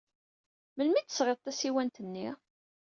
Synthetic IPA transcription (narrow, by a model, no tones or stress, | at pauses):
məlmit̪ːə̥sʁeðˤt̪ːæsiwænt̪ənːi